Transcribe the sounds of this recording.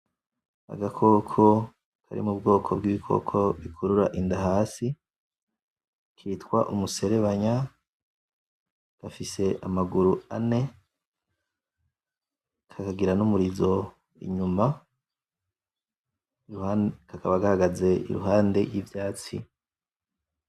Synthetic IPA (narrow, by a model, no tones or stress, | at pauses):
a̰ɡakʰo̞kʰo̞ | kʰa̰ɾḭmub̚ɡo̞ːkʰo̞bɡiβikʰo̞̰kʰo̞βikʰuɾuɾaʔindaɦaːsi | kʰiːtkwa̰ʔumuse̞ɾe̞βaɲa | ɡ̥afise̞ʔamaɡuɾuane̞ | kʰakaɡiɾanumuɾizo̞ | ḭɲuma | uakakaβaɡahaɡaze̞ʔḭɾṵɦaːnde̞jivjaːt͡sḭ